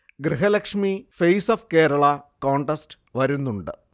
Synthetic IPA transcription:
ɡɾiɦɐlɐkʂmifejsofke̞ːɾɐɭɐkoːɳʈɐsʈɨ̥ʋɐɾunːuɳɖɨ̰

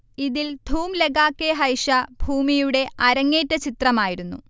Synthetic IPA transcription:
iðild̪ʱuːmleɡaːkːeːɦɐjʂɐbʱuːmijuɽe̞ʔɐɾɐŋːeːtːɐt͡ɕit̪rɐmaːjiɾunːṵ

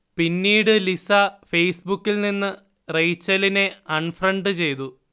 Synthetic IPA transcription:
pinːiːɽɨlisɐfejsbukːilninːɨ | rejt͡ɕːɐline̞ɐɳfrɐɳɖɨt͡ɕe̞jt̪̬u

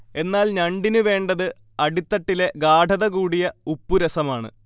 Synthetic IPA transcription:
e̞nːaːlɲɐɳɖinɨʋe̞ːɳɖɐðɨ | ɐɽit̪ːɐʈːile̞ɡaːɖʱɐðɐɣuːɽijɐupːuɾɐsɐmaːɳɨ̰

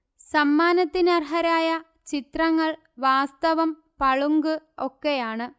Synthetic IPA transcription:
sɐmːaːnɐt̪ːinɐrɦɐɾaːjɐ | t͡ɕit̪rɐŋːɐɭ | ʋaːst̪ɐʋɐm | pɐɭuŋɡɨo̞kːejaːɳɨ

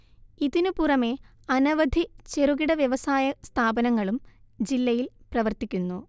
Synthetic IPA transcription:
iðinupurɐme̞ | ɐnɐʋɐd̪ʱit͡ɕeruɣiɽɐʋjeʋɐsaːjɐst̪ʰaːbɐnɐŋːɐɭum | d͡ʑilːɐjilprɐʋɐrt̪ikʲːunːu

